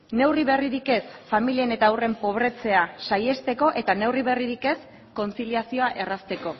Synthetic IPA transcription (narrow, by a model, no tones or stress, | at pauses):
ne̞wriβe̞riɾike̞sfamilie̞ne̞t̪aːwre̞mpo̞β̞ɾe̞t͡se̞asaje̞st̪e̞ko̞ʔe̞t̪ane̞wriβ̞e̞riɾike̞s | ko̞nt͡siliasio̞aʔe̞rast̪e̞ko̞